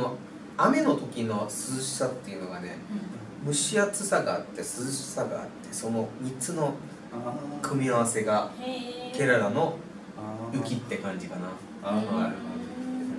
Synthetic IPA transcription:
ono̞ | ame̞no̞t̪o̞kʲino̞sɨɕsat̪ːe̞iɯ̟no̞ɡane̞̰ | mɯ̟ɕiat͡sɨsaɡaːt̪ːe̞sɨɨɕsaɡa̰ːt̪ːe̞so̞no̞mʲit͡sɨno̞ | kʰɯ̟mʲiaβ̞ase̞ɡa | ke̞ɾaɾano̞ | ɯ̟kʲit̪ːe̞kãɲ̟d͡ʑikana

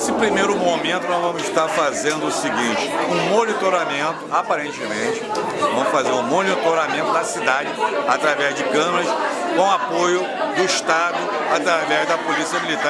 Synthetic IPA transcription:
nsɪpɾimejɾʊmomẽnt̪ʊnɔʒvɐ̃mʊziʃt̪aɾfazẽnd̪ʊːsiɡĩt͡ʃɪ̥ũmonit̪oɾamẽnt̪ʊapaɾẽnt͡ʃɪmẽt͡ʃɪ̥ | vɐ̃mʊʃfazeɾũmonit̪oɾamẽnt̪ʊd̪ɐsid̪ad͡ʒɪat̪ɾavɛzd͡ʒɪkɐ̃mɐɾɐskõw̃apojʊ | d̪ʊiʃt̪ad̪ʊ | at̪ɾavɛzd̪ɐpolisiɐmilit̪a

